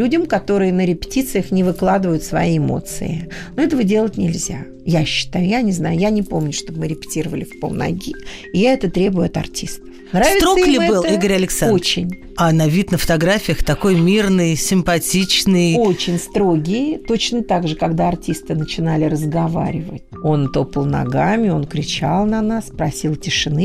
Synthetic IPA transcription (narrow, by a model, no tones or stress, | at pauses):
lʲudʲɪmkɐt̪o̞ɾɨjənəɾʲɪpʲɪ̥tʲit̪sɨjəxnʲɪvɨklˠad̪ɨvəjʊt̪svɐ̰jiɪmo̞̰t̪sɨ̰ɪ̰noɛt̪əvədʲe̞lˠətʲnʲɪlʲzʲa̰ | jaɕːɪ̥t̪ajʊjanʲɪznajʊjanʲɪpomnʲʊʂt̪o̞bmɨɾʲɪpʲɪ̥tʲiɾəvəlʲɪfʲpo̰lˠnɐ̰ɡʲiɪjaɛt̪ət̪ɾʲe̞bʊjʊɐt̪ɐ̰rtʲist̪ə̥fnɾsavʲɪst̪ɾolʲɪɛbɨliɡəɾʲɐlʲɪksao̞t͡ɕɪnʲ | anɐvʲit̪nəfə̥t̪ɐɡɾafʲɪjəxt̪ɐko̞jmʲirnɨjsʲɪmpɐtʲit͡ɕnɨjjo̞t͡ɕɪnʲst̪ɾo̞ɡʲɪjɪt̪o̞t͡ɕnət̪aɡʐɨkaɡd̪aɐrtʲist̪ɨnət͡ɕɪnalʲɪɾəzɡɐva̰ɾʲɪvə̰tʲo̞nt̪o̞pəlˠnɐ̰ɡamʲɪo̞nkɾʲɪt͡ɕalˠnɐnaspɾɐsʲilˠtʲɪʂɨnɨ